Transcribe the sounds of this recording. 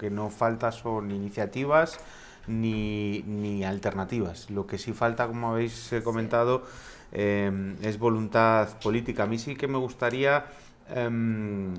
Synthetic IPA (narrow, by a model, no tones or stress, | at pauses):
ke̞no̞falt̪aso̞niniθjat̪iβ̞asz | ninialt̪e̞ɾnat̪iβ̞aslo̞ke̞sifalt̪ako̞moaβ̞ejsko̞mẽnt̪að̞o | eme̞zβo̞lunt̪aðpo̞lit̪ikaːmĩsike̞me̞ɣ̞ust̪aɾia | em